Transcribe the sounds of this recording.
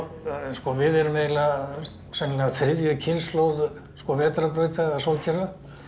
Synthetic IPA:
skɔvɪðɛɾʏmeːla | sɛnlɛaθɾɪðjʏcʰɪnslowð | skɔvɛːt̪ɾapɾœːɥt̪aasoːwcʰɛɾva

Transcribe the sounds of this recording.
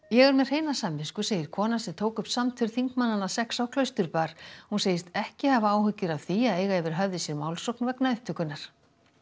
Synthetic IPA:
jɛɣɛɾmɛðr̥eːjnasamvɪskʏseːjɪɾ̥kʰɔːnasɛmt̪ʰoːwkʏhpsamt̪ʰʏɾ̥θiŋkmanːanasɛksawkʰlœɥst̪ʏɾpaːɾ̥hunseːjɪst̪ɛhcɪhavaaːwɦʏcːɪɾawθiaðeːjɣaɛvɪɾ̥ɦœvðɪsjɛɾmawlsowknvɛknaʏht̪ʰʏkʏnːaɾ̥

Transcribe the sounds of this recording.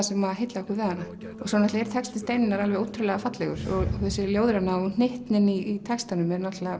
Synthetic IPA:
sɛmːaðɦejt̪laɔhkʏɾvɛːðanːa | ɔsɔnat̪laɛɾ̥t̪ʰɛkst̪ɪst̪ejnɪnaɾalvɛɣoːwt̪ʰɾʏlɛɣafat̪lɛɣʏɾ̥ɔɣθɛsːɪljoːwðʏɾanaɔn̥eht̪nɪniːt̪ʰɛkst̪anʏmɛɾnat̪la

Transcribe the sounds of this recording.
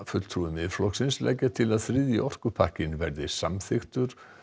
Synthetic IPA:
fʏt̪l̥t̪ʰɾuːɪmɪflɔksɪnslɛ̰cːat̪ʰɪlaðθɾɪðjɪɔr̥kʏpʰahcɪnvɛɾðɪsamθɪxt̪ʏɾ̥

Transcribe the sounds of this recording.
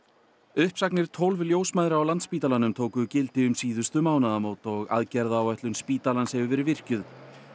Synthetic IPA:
ʏhpsaknɪɾ̥t̪ʰowlvljoːwsmajðɾawlant̪spiːt̪alanʏmt̪ʰoːwkʏcɪlt̪ɪʏmsiːðʏst̪ʏmaːwnaðamoːwt̪ɔɣa̰ðcɛɾðaːwɛht̪lʏnspiːt̪alanshɛvʏvɛːɾɪvɪr̥cʏð

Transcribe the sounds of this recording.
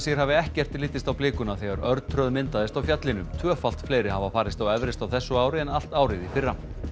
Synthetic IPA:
sijɾ̥haːvɪɛhcɛr̥t̪ːliːt̪ɪst̪awplɪːkʏnaθɛɣaɾœɾt̪̚t̪ʰɾœðmɪnt̪aðɪst̪awfjat̪lɪnʏmt̪ʰvœːfal̥t̪fleːjɾɪhavafaːɾɪst̪awɛvɾɪst̪awθɛsːʏaːwɾɪɛnal̥t̪aːwɾɪðifɪrːa

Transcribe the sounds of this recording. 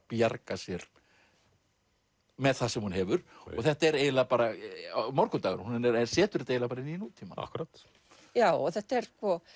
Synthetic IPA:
pjaɾkasjɛɾ̥ | mɛðθasɛmhunhɛːvʏɾ̥ɔɣθɛht̪aɛɾeːjðɪlaðpaːɾamɔɾkʏt̪aːɣʏ̰ɾhunɪnɛɾɛsɛːt̪ʏɾ̥θɛt̪ejvlapaɾɪninuːt̪ʰːima̰a̰hkɾaːt̪ | jaːwɔθɛht̪aɛɾskvɔ

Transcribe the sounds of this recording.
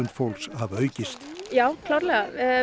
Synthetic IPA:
ʏnt̪fowlkshavœːɥcɪst̪jaːwkʰlaːɾlɛɣa

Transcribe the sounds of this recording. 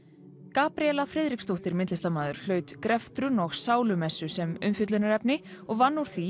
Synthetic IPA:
kaːpɾiɛlafɾɪðɾikst̪owht̪ɪɾmɪnt̪ɪst̪amaːðʏɾ̥lœːɥt̪kɾɛft̪ɾʏnɔɣsaːwlʏmɛsːʏsɛmʏ̰mfjʏt̪lʏnaɾɛpnɪɔɣvanːuɾ̥θi

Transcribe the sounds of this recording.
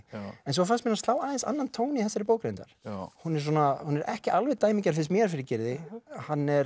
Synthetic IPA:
ɛns̬ɔfansmɛnast̪laːwaːðɛnsa̰nːant̪ʰoːwnɪθɛsaɾɪpoːwkɾent̪aɾ̥hunɛɾ̥swɔnahunɛɾʔɛ̰hcɪʔalvɛðt̪aːjmicaɾ̥fɪ̥s̬mjɛːɾfɪɾɪcɪɾðɪhanːɛɾ

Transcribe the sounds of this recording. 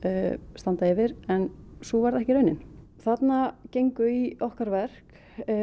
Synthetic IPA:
st̪ant̪aɪvɪɾɛnsuvaɾðɛhcɪɾœɥnɪn | θat̪nacejŋkʏiɔhkaɾvɛr̥k

